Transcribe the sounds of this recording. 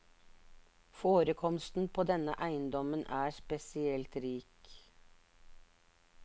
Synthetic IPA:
foːɾəkʰɔmst̪n̩pʰoːd̪ɛnə̰ʔæɪənd̪ɔmənʔæːspɛsɪɛlt̪ɾiːk

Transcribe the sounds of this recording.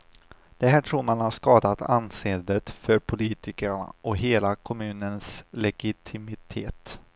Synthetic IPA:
d̪̥ɛɦæːʈʰɾuːɾmanhaʂkɑːd̪at̪ʰanseːd̪ət̪fœɾpʰʊliːt̪ɪkəɳa̰ʔɔɦeːlakʰɔmʉ̟ːnənslɛɡɪt̪ʰɪmɪt̪ʰeːt̪

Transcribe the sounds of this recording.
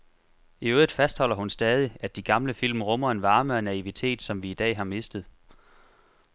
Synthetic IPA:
iøːðˠð̩ˠfæsd̥hɒ̽l̰ɐhunsd̥ɛːð̞ˠiædd̥iɡ̥ɑ̈mləfil̰mʁɔ̽mɐe̝nʋɑ̈ːməɒnæiʋit͡sʰe̝̰ːd̥sɒ̽mʋiːd̥ɛ̰ːɦɑ̈me̝sd̥əð̞̩ˠ

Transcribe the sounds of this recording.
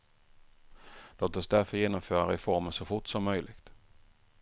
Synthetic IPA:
loːt̪ɔsd̪æɾfœɾjeːnɔmføːɾaɾɪfɔɾmənsɔfʊʈːsɔmːœjlɪɡ̥t̪

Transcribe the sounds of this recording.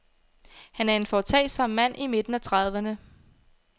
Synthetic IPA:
hænæɐe̝nfɒt͡sʰɛ̰ːsɒ̽m̰ːæn̰ime̝d̥n̩æt͡sʰʁɑ̈ð̞ˠʋənə

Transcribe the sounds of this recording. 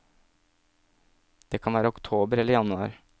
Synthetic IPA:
d̪̥eːkʰɑnʋæːɾəʊkt̪ʰoːbəɾɛləjɑnʉɑːɾ

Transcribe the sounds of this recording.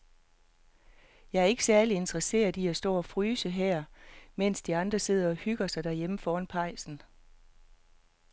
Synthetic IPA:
jɑ̈ɪæɐe̝ɡ̥əsæɐlie̝nd̥ʁəse̝̰ːɐðˠiæsd̥ɒ̰ːɒ̽fʁyːsəɦɛɐ̰men̰sd̥iɑ̈nd̥ʁɐse̝ð̞̰ˠɐɒ̽hyɡ̥ɐsɑ̈ɪd̥æɐjeməfɒːɐnpʰɑ̈ɪ̰sn̩

